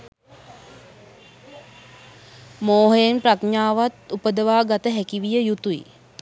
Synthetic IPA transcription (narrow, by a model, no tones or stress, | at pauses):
moːɦəjenprakɲaːʋat̪upəd̪əʋaːɡat̪əɦækiʋijəjut̪uḭ